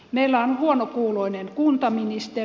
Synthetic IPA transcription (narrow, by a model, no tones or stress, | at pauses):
meilːæonhuonokuːloinenkunt̪ɑminist̪e